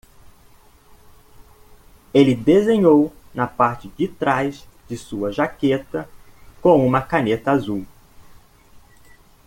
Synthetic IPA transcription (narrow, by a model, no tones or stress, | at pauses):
elɪd̪ezẽɲownɐpaɾt͡ʃɪd͡ʒit̪ɾajzd͡ʒɪsuɐʒaket̪ɐkõw̃ũmɐkanet̪ɐazuw